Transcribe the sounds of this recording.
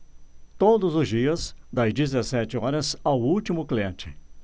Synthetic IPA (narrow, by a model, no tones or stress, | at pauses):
t̪od̪ʊzʊzd͡ʒiɐzd̪ɐzd͡ʒizesɛt͡ʃɪɔɾɐzawut͡ʃimʊkliẽnt͡ʃɪ̥